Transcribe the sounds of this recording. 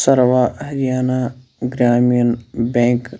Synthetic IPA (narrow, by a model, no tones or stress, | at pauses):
səɾʋaːɦɐɾijaːnaɡɾaːmijənbɛ̃ːŋk